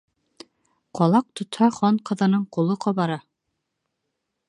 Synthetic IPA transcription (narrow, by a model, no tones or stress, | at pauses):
qɒlˠɑq̚t̪ŏt̪hɑχɒɴqɤ̆ðɤ̆nɤɴqulˠɤqɒβɑɾɑ